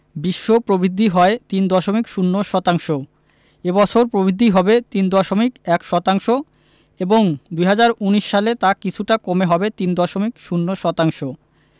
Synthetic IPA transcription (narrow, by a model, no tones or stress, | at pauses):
biʃːopɾobɾid̪ʱːiɦɔet̪ind̪ɔʃomikʃunːoʃɔt̪aŋʃo | ebɔt͡ɕʰoɾpɾobid̪ʱːiɦɔbet̪ind̪ɔʃomikɛkʃɔt̪aŋʃo | eboŋd̪ujɦad͡ʑaɾuniʃːalet̪akit͡ɕʰuʈakomeɦɔbet̪ind̪ɔʃomikʃunːoʃɔt̪aŋʃo